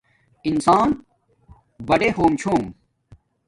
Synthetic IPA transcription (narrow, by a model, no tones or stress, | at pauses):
insaːn | bɐɖehoːmt͡ɕʰoːm